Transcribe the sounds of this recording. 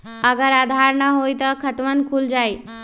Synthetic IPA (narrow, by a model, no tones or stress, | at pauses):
əɡəɾad̪ʱaɾnəɦojt̪əkʰət̪ʋənkʰuːld͡zaj